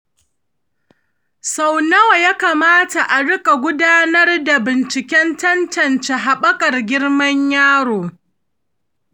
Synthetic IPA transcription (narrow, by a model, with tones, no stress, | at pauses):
sa˨wnɐ˦wa˨jaː˦kaː˨maː˦ta˨ʔa˨ɽʊ˦kʼa˨ɡʷʊ˦daː˦nɐ˦rda˨bɪ˨nt͡ʃɪ˨kʲɛ˦ntɐ˦ntɐ˦˨nt͡ʃa˨ɦa˨ɓɐ˦kʼɐ˨rɡʲɪ˦ɽmɐ˦ɲjaː˦ɽoː˨